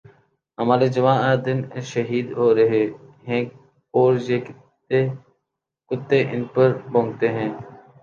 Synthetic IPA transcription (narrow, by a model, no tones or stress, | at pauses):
ɦəmaːɾed͡ʒəʋãːaːd̪ɪnʃəɦiːd̪ɦoːɾəɦeɦɛ̃ː | oːɾjeːk | e | kʊt̪ːẽːʔɪ̰npəɾbʱõːŋɡ̚t̪eɦɛ̃ː